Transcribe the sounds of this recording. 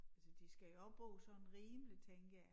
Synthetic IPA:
ælsɒd̥isɡ̥æɒ̽b̥ɔ̰ːsɒ̽enʁiːməlit͡sʰeŋɡ̥

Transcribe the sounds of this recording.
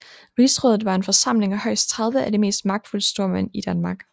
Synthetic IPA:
ʁiːsʁɔːðˠð̩ˠʋɑ̈e̝nfɒ̽sɑ̈m̰le̝ŋæhɒ̽ɪ̰st͡sʰʁɑ̈ð̞ˠʋəʔæde̝me̝̰ːsd̥mɑ̈ɡ̥̚d̥fuləsd̥o̝ɐmæn̰id̥ænmɑ̈ːɡ̥

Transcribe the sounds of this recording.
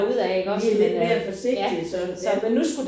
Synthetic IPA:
uð̰ˠæɡ̥ɒiled̥meæfɒ̽se̝ɡ̥̚d̥isɒ̽sɒmenːusɡ̥ud̥

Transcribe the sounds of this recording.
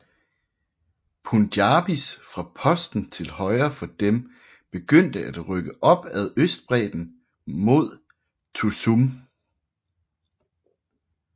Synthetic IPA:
pʰund̥jɑːb̥isfʁɑ̈pʰɒ̽sd̥n̩t͡sʰe̝lhɒ̽ɪɐfɒ̽d̥em | b̥e̝ɡ̥øn̰d̥əʔæd̥ʁœɡ̥əʔɒ̽b̥æð̞ˠøsd̥̚b̥ʁɛ̰ːd̥n̩ | mo̝ð̞̰ˠ | t͡sʰusum

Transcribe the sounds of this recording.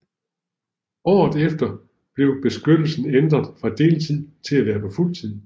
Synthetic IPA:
ɒ̰ːð̞̩ˠefd̥ɐ | b̥le̝ʊb̥e̝sɡ̥ød̥l̩sn̩end̥ʁɐðˠfʁɑ̈d̥e̝̰ːlt͡sʰið̞̰ˠt͡sʰe̝læʋæːɐpʰɒ̽ful̰t͡sʰið̰ˠ

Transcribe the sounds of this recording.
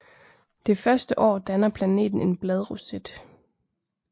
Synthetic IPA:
d̥e̝fɶɐsd̥əʔɒ̰ːd̥ænɐpʰlæne̝̰ːd̥n̩e̝nb̥lɛð̞ˠʁosed̥

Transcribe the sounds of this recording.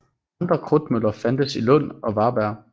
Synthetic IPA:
ɑnd̥ʁɐkʰʁɔd̥mølɐfænd̥əsilɔ̽n̰ɒ̽ʋɑ̈ːb̥æɐ̰

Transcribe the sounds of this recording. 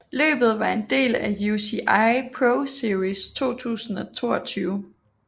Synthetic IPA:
lø̰ːb̥ð̞̩ˠʋɑ̈e̝nd̥e̝̰ːlæjusiʔɑɪpʰʁoʊsiɐʁist͡sʰo̝̰ːt͡sʰṵːsn̩ɒ̽t͡sʰo̝̰ːɒt͡sʰyːʊ

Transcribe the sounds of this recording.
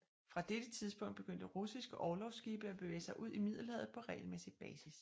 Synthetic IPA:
fʁɑ̈d̥ed̥ət͡sʰiðˠsb̥ɔ̽ŋ̰d̥b̥e̝ɡ̥øn̰d̥əʁusisɡ̥əʔɒːlɒʊsɡ̥iːb̥əæb̥e̝ʋḛːəsɑ̈ɪʔuð̞̰ˠimið̞̰ˠl̩əɛðð̩ˠpʰɒ̽ʁɛ̰ːɪlmesi̥b̥ɛːsis

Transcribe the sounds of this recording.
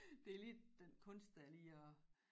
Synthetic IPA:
d̥e̝lidd̥enkʰɔ̽nsd̥æliɒ

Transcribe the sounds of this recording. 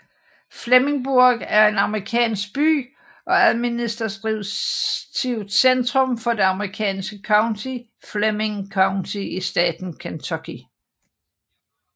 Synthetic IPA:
fleme̝ŋb̥uɐɡ̥æɐe̝nɑ̈məʁikʰɛ̰ːnsɡ̥̚b̥y̰ː | ʔɒ̽æðˠminisd̥ɐsɡ̥ʁiʊt͡sʰiʊ̰d̥send̥ʁɔ̽mfɒ̽d̥e̝ɑ̈məʁikʰɛ̰ːnsɡ̥əkʰɑ̈ʊnt͡sʰi | fleme̝ŋkʰɑ̈ʊnt͡sʰiisd̥ɛ̰ːd̥n̩kʰent͡sʰɒkʰi

